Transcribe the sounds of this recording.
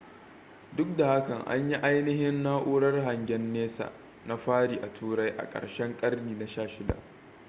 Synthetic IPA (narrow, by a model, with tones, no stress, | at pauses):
dʊ˦k̚da˨ha˦kɐ˨ŋʔa̰˦ɲji˦ʔa˦jnɪ˦ɦɪ˦nːaː˦ʔʊ˦ɽɐ˦rɦa˨ŋɡʲɛ˦nːeː˦sa̰ː˨ | na˦ɸaː˦ɽiː˨ʔa˨tʰuː˦ɾa˦jʔa̰˨kʼɐ̰˨rʃɛ˦ŋkʼɐ˦rniː˨na˨ʃaː˦ʃɪ˦da̰˨ʔ